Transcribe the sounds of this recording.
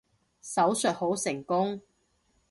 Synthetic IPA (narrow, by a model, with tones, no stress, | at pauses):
sɐ˨˥wsœ˨t̚ho˨˥wsɪ˨˩ŋkʊ˥ŋ